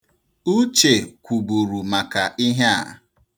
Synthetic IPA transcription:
u˦t͡ʃe˨kʷu˨bu˨ɾu˨ma˨ka˨ʔi˦ɦe˦a̰˨

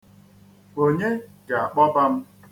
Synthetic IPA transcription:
o˨ɲe˦ɡa˨a˨k͡pɔ˦ba˦m̩˦

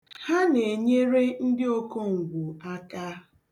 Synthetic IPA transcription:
ha˦ne˨ɲe˦ɾe˦n̩˦dɪ˦o˦ko˦ŋ̩˨ɡʷu˨a˦ka˦

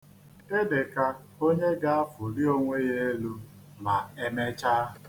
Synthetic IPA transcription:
e˦de˨ka˦ | o˦ɲe˦ɡa˦a˦fʊ˨ɾi˦o˦ŋʷe˦ɣe˦e˦lu˦ | ma˨e˦me˦t͡ʃa˦˨

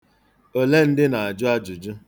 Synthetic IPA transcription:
o˨le˦n̩˦dɪ˦na˨a˨d͡ʒʊ˦a˦d͡ʒʊ˨d͡ʒʊ˦

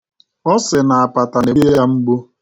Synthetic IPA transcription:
ɔ˦sɪ˨na˨a˨pa˨ta˨ne˨˦jja˦m̩˦ɡ͡bu˦

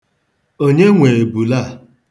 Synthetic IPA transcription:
o˦ɲe˦ŋʷe˨e˨bu˨la˦˨

